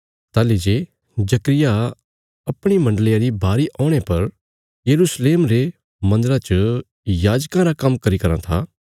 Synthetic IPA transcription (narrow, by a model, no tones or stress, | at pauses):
t̪aːled͡ʒe | d͡ʒɐkɾɪja | ɐpɽ̃imɐ̃ɳɖəlɪjãɾibaːɾiʔɔːɽ̃epɐɾ | jɐɾuːsleːmɾe | mɐ̃nd̪əɾãt͡ʃə | jaːd͡ʒkãɾakɐmːkɐɾikɐɾã̰t̪ʰa̰